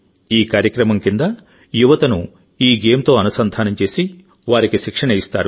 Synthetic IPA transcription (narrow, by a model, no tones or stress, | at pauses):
iːkaːɾjɐkɾɐmɐmkind̪ɐ | juʋɐt̪ɐnu | iːɡeːmt̪o̞ːɐnusɐnd̪ʱaːnɐmt͡ʃe̞ːsi | ʋaːɾikiʃikʂɐɳɐjist̪a̰ːɾu